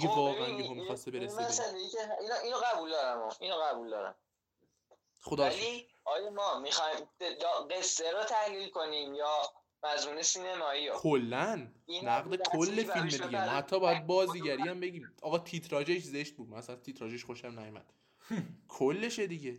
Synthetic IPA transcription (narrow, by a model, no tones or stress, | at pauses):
iɡevɒːɣʔænjeɦomxɒːst̪ebeɾesmæsæleieiːnoʔiːnoɣæbuld̪ɒːɾæmɒ̰ʔinoɣæbuːld̪ɒːɾæ̰m | xod̪ɒæli | ʔɒːjɑmɒːmixɒjmjɒɢesːeɾot̪ʰæhlilkʰoniːmjɒː | mæzmuːnesiːnemɒːijokʰolːænːæɣd̪ekʰolːefilmed̪iɡemɒhæt̪ʰːɒːbɒːjæd̪̚bɒːziːɟæɾiæmbe̞ɟiːmʔɒːɣɒːt̪ʰit̪ʰɾɒːd͡ʒeʃze̞ʃt̪̚buːd̪mææsælæt̪ʰiːt̪ʰɾɒːd͡ʒeʃχoʃæmnæjomæ̰d̪̥ | kʰolːe̞ʃed̪iɟe